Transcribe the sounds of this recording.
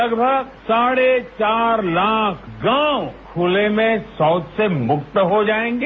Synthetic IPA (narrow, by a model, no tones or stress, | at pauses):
ɐɡbʱəɡsaːɽet͡ʃaːɾlaːkʰɡãːwkʰʊlemẽsɔːt̪semʊkt̪ɦod͡ʒaːẽːŋɡeː